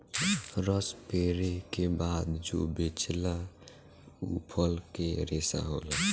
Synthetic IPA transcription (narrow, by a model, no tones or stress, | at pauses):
ɾəspeːɾekebaːd̪d͡ʒo̰bet͡ʃla | ṵpʰəlkeɾeːsa̰ɦoːla